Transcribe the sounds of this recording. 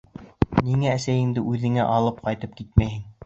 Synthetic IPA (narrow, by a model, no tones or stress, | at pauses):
niŋæːsæjɘ̆ŋd̪ɘʔʉðɘ̆ŋæʔɑlˠɤp̚qɑjt̪ɤp̚kit̪̚mæjhɘŋ